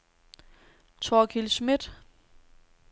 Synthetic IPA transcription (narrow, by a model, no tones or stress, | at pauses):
t͡sʰɔːkʰilsmid̥